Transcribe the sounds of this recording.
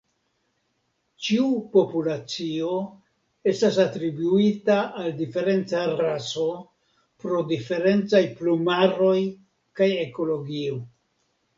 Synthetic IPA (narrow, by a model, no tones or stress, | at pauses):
t͡ʃiupo̞pulat͡sio̞ | e̞stasatɾibuitaːldife̞ɾe̞nt͡saɾaso̞ | pɾo̞dife̞ɾe̞nt͡sajplumaɾo̞j | kaje̞ko̞lo̞ɡio̞